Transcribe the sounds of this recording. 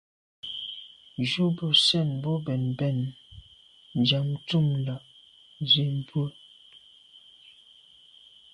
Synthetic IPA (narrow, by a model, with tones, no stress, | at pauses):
d͡ʒu˦bə˨sɛ˦˨nbɔ˦bɛ˨nbɛ˦˨n | nd͡ʒa˨mtu˦˨mla˨ | ze˨m˦bwə˦